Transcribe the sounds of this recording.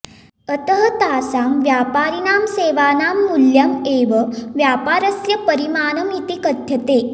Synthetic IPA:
ət̪əɦət̪aːsaːmʋjaːpaːɾinaːmseːʋaːnaːmːuljameːʋəʋjaːpaːɾəsjɐpəɾimaːnəmit̪ikət̪ʰjɐt̪eː

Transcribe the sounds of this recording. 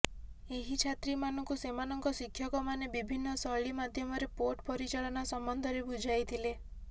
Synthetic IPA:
eɦit͡ʃʰat̪ɾimanɔŋkusemanɔŋkɔsikʰːjɔkɔmanebibʱinːɔsɔɭimad̪ʱjɔmɔɾepoʈpɔɾit͡ʃaɭɔnasɔmbɔnd̪ʱɔɾebud͡ʒajt̪ʰile

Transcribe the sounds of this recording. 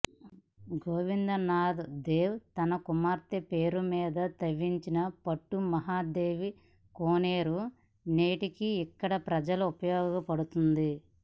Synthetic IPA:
ɡoːʋind̪ɐnaːd̪d̪eːwt̪ɐnɐkumaːɾt̪epeːɾumiːd̪ɐt̪ɐʋːiɲt͡ʃinɐpɐʈːumɐɦaːd̪e̞ːʋi | koːneːɾu | neːʈikiːkːɐɽɐpɾɐd͡ʒɐluupɐjɔːɡɐpɐɽut̪und̪i

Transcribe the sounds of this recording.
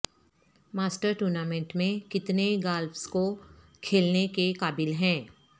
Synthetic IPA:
maːsʈəɾʈuːɾnaːmɛ̃ɳʈmẽkɪt̪neɡaːlfsko | kʰeːlnekekaːbɪlɦɛ̃ː

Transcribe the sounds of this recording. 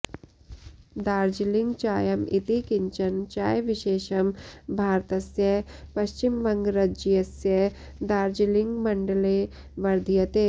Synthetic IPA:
d̪aːɾd͡ʒilɪŋɡt͡ʃaːjɐmit̪ikɪɲt͡ʃɐnt͡ʃaːjʋɪʃeːʃɐmbʱaːɾt̪ɐsjɐɦpɐʃt͡ʃimʋɐŋɡɾɐd͡ʒjɐsjɐɦ | d̪aːɾd͡ʒilɪ̃ŋɡmɐɳɖəle | ʋɐɾd̪ʱijɐt̪eː

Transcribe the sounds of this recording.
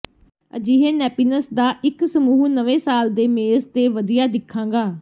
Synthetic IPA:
əd͡ʒiːɦẽːnɛːpiːnəsd̪aːʔɪksəmuːɦnəʋẽːsaːld̪eːmeːzt̪eːʋəd̪ijaːd̪ɪkʰːãːŋɡaː

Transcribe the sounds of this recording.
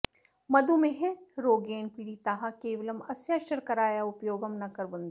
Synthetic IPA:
mɐd̪umẽɦɛ̃ɾoːɡeːnpiːɽit̪ɐɦakeːʋɐlɐmɐsjaːʃɐɾkɐɾaːjaʊpjoːɡəmnɐkɐɾbɐ̃nd̪

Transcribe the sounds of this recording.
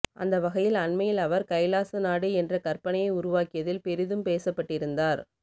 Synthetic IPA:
ʔɐ̰nd̪ɐʋɐɣɐjɪlɐnmɐjɪlɐʋɐɾkɐɪlaːsɐnaːɽɯɛndrɐkɐɾpɐɳɐjɐɪʊɾʊʋaːkɪjɐðɪlpɛɾɪðɯmpeːsɐpːɐʈːɪɾɯnd̪aːɾ

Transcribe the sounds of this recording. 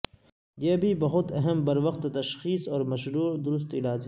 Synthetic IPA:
jeːbʱibɐɦʊt̪ɐɦɛmbɐɾʋɐxt̪t̪ɐʃxiːsɔːɾmɐʃɾuːɾd̪ʊɾʊs̬t̪ɪlaːd͡ʒɦ

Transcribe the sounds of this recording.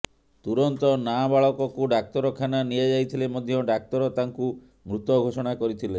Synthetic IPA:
t̪uɾɔnt̪ɔnabaɭɔkɔkuɖak̚t̪ɔɾɔkʰananied͡ʒajt̪ʰilemɔd̪ʱjɔɖak̚t̪ɔɾɔt̪aŋku | mɾut̪ɔɡʱoʃɔɽ̃akɔɾit̪ʰile

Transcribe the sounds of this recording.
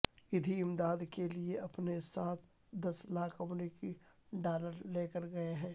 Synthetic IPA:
jɪd̪ʱiɪmd̪aːd̪kelieɐpnesaːt̪ʰ | d̪ɐslaːkʰɐmɾiːki | ɖaːləɾleːkəɾɡɐeɦɛ̃ː

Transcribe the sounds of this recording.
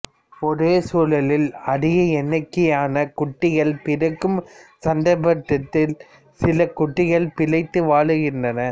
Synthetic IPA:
ɔɾeːsuːlɐlɪlɐðɪɣɐɛnːɐkːɪjaːnɐkʊʈːɪɣɐɭpɪɾɐkːɯmsɐnd̪ɐɪbɐʈːɐt̪ːɪl | sɪlɐkʊʈːɪɣɐɭpɪlɐɪt̪ːɯʋaːɭɯɣɪndrɐnɐ

